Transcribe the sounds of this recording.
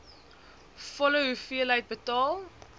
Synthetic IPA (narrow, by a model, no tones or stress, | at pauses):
fɔləɦufiələjt̚bətɑːlˠ